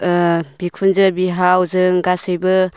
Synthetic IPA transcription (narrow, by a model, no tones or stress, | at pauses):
bikʰunzɯbiɦawzɯŋɡasɯjbɯ